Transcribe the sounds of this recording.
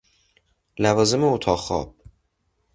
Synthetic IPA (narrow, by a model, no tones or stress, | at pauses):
lævɒːzemeot̪ʰɒːxɒ̰ːb̥